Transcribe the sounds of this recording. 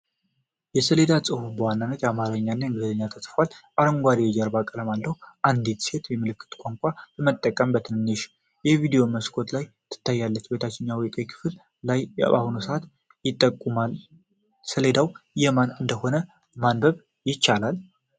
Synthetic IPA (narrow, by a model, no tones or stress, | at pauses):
jɛsəle̞d̪asʼɨhubəwanːanːət̪jamaɾəɲːanːaŋɡɨld̪əɲːat̪ʰəsʼfalʔaɾəŋɡʷad̪iwɔd͡ʒaɾbakʼələmalːəhuʔand̪et̪se̞t̪jɛmɨlɨkːɨ̥t̪ʼkʼoŋkʷʼaləmət̪ʼːəkʼːəmbət̪ʰɨnɨnːeʃ | jɛvid̪ijo̞məskʰo̞t̪lajt̪ʰɨ̥t̪ʰːajːalːət͡ʃːbe̞t̪ʰat͡ʃːɪnːɲawik̪ʼejkʰɨ̥fl | laj̰a̰hunusəat̪ | jɪt̪ʼːəkʼːumal | səle̞d̪awjɛmanɨnd̪əho̞nə | manbəβ | jɪt͡ʃːalal